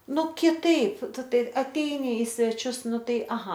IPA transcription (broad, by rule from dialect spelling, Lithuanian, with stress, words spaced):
ˈnʊ kʲɪˈtɐɪp ˈtʊ ˈtɐɪ ɐˈtʲɛɪnʲɪ ɪ sʲʋʲɛˈt͡ʃʲʊs ˈnʊ ˈtɐɪ ɐˈɣɐ